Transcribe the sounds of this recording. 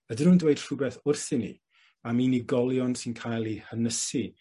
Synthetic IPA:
ədɪnuːndwejd̥r̥ʊbɛθʊrθɪnḭ | amiːniɡɔlˠjɔnsɪnkʰajlˠihənəsi

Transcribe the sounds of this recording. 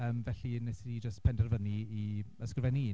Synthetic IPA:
əːmvɛɬinɛsɪdid͡ʒəstpʰɛndɛrvəniiəskrvɛniː

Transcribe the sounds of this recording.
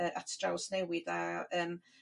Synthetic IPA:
əʔatʰd̥rawsnɛwɪðaəːm

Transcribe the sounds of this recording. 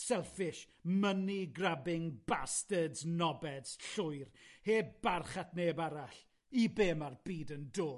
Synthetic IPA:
sɛlˠfɪʃ | məniɡrabɪŋbastədznɔbɛdsɬʊjrheːb̥arχatneːbaɾaɬ | ibeːmarbiːdəndoː

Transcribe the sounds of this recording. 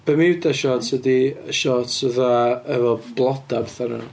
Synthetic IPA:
b̥əmɪwdaʃɔːtʰədiʃɔtʰəðaɛvɔb̥lˠɔdabθaɾa̰n

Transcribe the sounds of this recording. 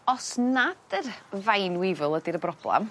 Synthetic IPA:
ɔsnad̥ərvajnwɪvʊlˠədiɾəbrɔb̥lˠɛ̰m

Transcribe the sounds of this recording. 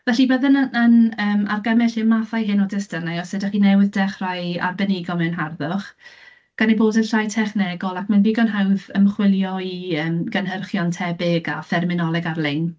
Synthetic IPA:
vɛɬibəðənənəːma̰rɡamɛɬɪmaθajɦɪnɔdɪstərnajɔsɨdaχinɛwɪðdɛχraja̰rbɛnɪɡɔmɛnɦarðʊχ | ɡ̥aneboːdənɬajtʰɛχnɛɡɔlˠakʰmanviːɡɔnɦawðəmχwɪlˠjɔiəːmɡənɦərχjɔntʰɛbɪɡa̰fɛrmɪnɔlˠɛɡarlejn

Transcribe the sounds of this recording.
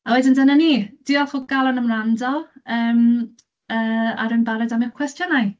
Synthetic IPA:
awɛdɪndənaniːd̥ɪɔlχʊb̚ɡ̥alˠɔnəmrandɔəːm | əːa̰ɾɨnbaɾɛdamɨwkʰwɛstjɔnaj

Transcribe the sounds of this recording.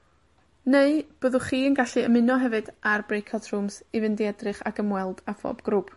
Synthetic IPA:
neɨb̥əːðʊχiːənɡaɬɨə̰mɪnɔɦɛvɨdarbrejkʰɔtʰrumsivɪndiɛdrɨχa̰kəmwɛlˠdafɔ̰ːbɡ̥rup

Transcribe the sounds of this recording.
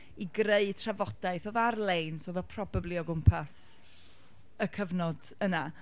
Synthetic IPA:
iɡreɨd̚tʰravɔd̥aɨθoðarlˠejnsoðɔpʰrɔbablˠiɔɡʊmpʰas | əkʰəvnɔd | əna

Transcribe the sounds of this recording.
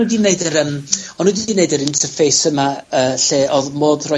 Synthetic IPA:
udineɨdəɾəmɔnudiineɨdəɾɪntʰərfejsəmaəːɬeːʔɔðmoːðrɔ

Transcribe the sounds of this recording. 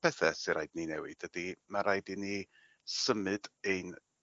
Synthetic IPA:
pʰɛθɛsɪɾajdninɛwɨd̥ədimaɾajdini | səmɨdejn

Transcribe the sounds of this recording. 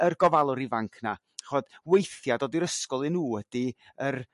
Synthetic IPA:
ərɡɔvalˠʊɾivaŋkʰna | χɔd̥wejθjadoːdiɾəskɔlˠɨnuːwəd̥i | ər

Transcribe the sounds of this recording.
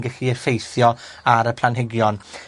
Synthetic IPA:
ɡəɬiəfejθjɔ | aɾəpʰlˠanɦɪɡjɔn

